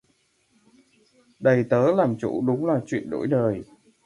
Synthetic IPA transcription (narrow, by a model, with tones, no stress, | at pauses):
ɗə˨˩jt̪əː˨˦laː˨˩mt͡ɕṵ˧˥ɗʊ˨˦ŋ͡mlaː˨˩t͡ɕwḭ˧˨ənɗo̰˧˥jɗəː˨˩j